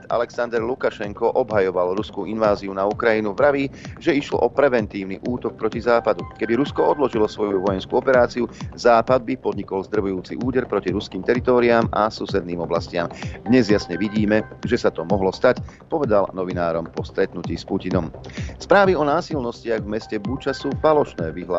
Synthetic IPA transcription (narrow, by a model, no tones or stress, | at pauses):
t̪a̰lɛksand̪ɛɾlukaʃɛŋkɔʔɔbɦajɔʋalɾuskuinʋaːziunaukɾajinuvɾaʋiːʒɛiʃlɔ̰ʔɔpɾɛʋɛnt̪iːʊnḭʔuːt̪ɔk̚pɾɔcizaːpad̪ukɛbiɾuskɔɔd̪lɔʒilɔsʋɔjuʋɔjɛnskuɔpɛɾaːt͡siuzaːpad̪̚bipɔd̪ɲikɔlzd̪r̩ʋujuːt͡sḭʔuːɟɛɾpɾɔciɾuskiːmt̪ɛɾit̪ɔːɾiaːmasusɛd̪̚niːmɔblascɪamd̪ɲɛzjasɲɛʋiɟiːmɛʒɛsat̪ɔmɔɦlɔst̪ac | pɔʋɛd̪alnɔʋinaːɾɔmpɔst̪ɾɛt̪nuciːspucinɔmspɾaːʋiɔnaːsilnɔscɪaɣvmɛscɛbut͡ʃasuːfalɔʃnɛːʋiɦla